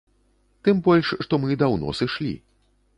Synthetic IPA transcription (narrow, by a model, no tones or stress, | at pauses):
t̪ɨmbɔlʲʂːt̪ɔmɨd̪awnɔ̰sɨʂlʲḭ